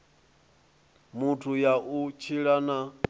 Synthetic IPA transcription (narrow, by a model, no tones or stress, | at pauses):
mutʰujaʔut͡ʃʰiɺana